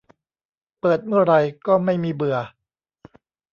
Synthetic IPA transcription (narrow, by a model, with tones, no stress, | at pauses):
pɤː˨˩t̪̚mɯ˥˩ɐɾa˧jkɔː˥˩ma˥˩jmiː˧bɯ˨˩ɐ